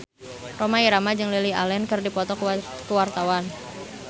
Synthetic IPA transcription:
romaiɾamad͡ʒɨŋlilia̰lɛnkɨrdipɔt̪ɔ | kəwart̪awan

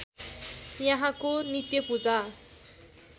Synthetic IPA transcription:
jaɦãkonit̪jʌpud͡za

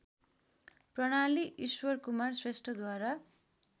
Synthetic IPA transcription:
prʌɽ̃aliʔiswʌrkumarsresʈʌd̪waɾa

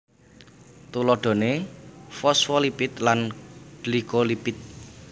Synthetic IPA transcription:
t̪ulɔɖ̥ɔ̤nefɔsfɔlipɪt̪lanɖ̥likolipɪt̪̚

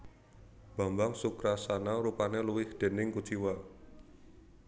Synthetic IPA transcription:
b̥a̤mbaŋsukɾasanaɾupaneluwɪhd̪̥e̤nɪŋkud̥t͡ʃiwa

